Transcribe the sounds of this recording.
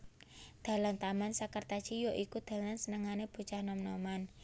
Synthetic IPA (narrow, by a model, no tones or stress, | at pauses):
d̪̥a̤lant̪amansakərt̪at͡ʃijoʔikud̪̥a̤lansənəŋaneb̥ṳt͡ʃahnɔmnɔman